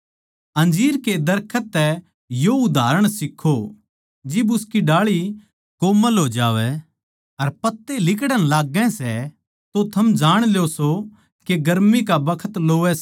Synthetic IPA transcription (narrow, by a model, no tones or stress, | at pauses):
ɐ̃nd͡ʒiːɾked̪ɐɾkʰət̪ːɛ | joʊd̪ʱaːɾəɽ̃sɪkʰːo | d͡ʒɪbʊskiɖaːɭi | koːməlɦoːd͡ʒaːʋɛ | ɐɾpɐt̪ːelɪkɽənlaːɡːɛ̃sɛ | t̪ot̪ʰɐmd͡ʒaːɽ̃ljoso | keɡɐɾmikabɐkʰət̪loːʋɛs